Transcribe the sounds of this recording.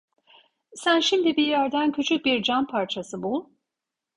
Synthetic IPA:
sænʃimd̪ibiɾjæɾd̪æncʰyt͡ʃʰyc̚biɾd͡ʒampʰaɾt͡ʃʰasɯbu

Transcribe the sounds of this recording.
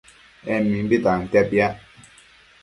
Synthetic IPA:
ɛmmːimbitan̩tapja

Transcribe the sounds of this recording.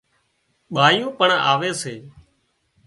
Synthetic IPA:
ɓaːjõːpəɳa̰ːʋeːseː

